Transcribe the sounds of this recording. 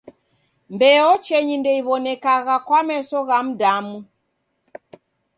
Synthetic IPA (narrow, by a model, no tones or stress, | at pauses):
mbɛɔt͡ʃɛɲindɛiβɔnɛkaɣakwamɛsɔɣam̩damu